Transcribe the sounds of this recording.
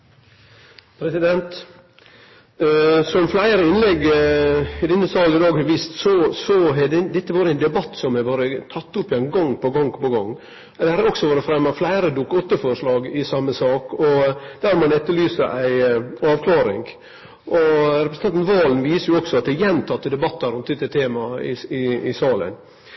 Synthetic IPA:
pʰɾɛsɪd̪ɛnt̪ | sɔmflæɪɾəɪnlɛɡ | ɪd̪ɛnːəsɑːlɪd̪ɑːɡhɑɾʋiːst̪sɔsɔɦɛdɛd̪ɛt̪ːəʋɑːɾəæɪnd̪ɛbɑt̪ːsɔmæʋɑːɾət̪ʰɑt̪ːʊpːɪɛɪnɡɔŋpɔɡɔŋpɔɡɔŋː | d̪ɛhɑɾɾɔksɔʋɑːɾəfɾɛmːɑflæɪɾəd̪ʊkːɔt̪ːəfɔɾʂlɑːɡɪsɑmːəsɑːkɔd̪̥æːɾmɑnɛt̪ːəlyːsəʔæɪɑːʋkʰlɑːɾɪŋ | ʔɔɾɛpɾs̩ɑnt̪nʋɑːlnʋiːsəɾjʊɔksɔɑt̪̚d̪ɛæjɛnt̪ʰɑt̪ːəd̪ɛbɑt̪ːɑɾʊnt̪d̪ɛt̪ːət̪ʰeːmɑɪɪɪsɑːlə̰n

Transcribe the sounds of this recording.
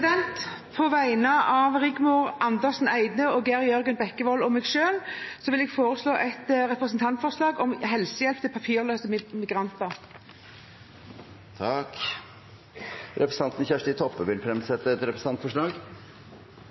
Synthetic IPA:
d̪ɛnt̪ | pʰɔʋæɪnəʔɑːʋʁɪɡmʊːɾɑnd̪əsn̩æɪd̪nəɔɡæʁjœɾɡənbɛkːəʋɔlɔmɛːɡʃøːlsɔʋɪlɛɡfoːɾəsloːʔɛt̪ʁɛpʁəsnt̪ʰɑnt̪fɔslɑːɡɔmɦɛlsəjɛlp̚t̪ʰɪpʰɑpʰiːʁløːsəmɪɡʁɑnt̪əʁ | t̪ʰɑk | ɾɛpɾəsɑnt̪n̩çæʂʈɪt̪ʰɔpːəʋɪlfɾɛmsɛt̪ːəɛt̪ɾɛpɾəsɑnt̪fɔʂɭɑːɡ

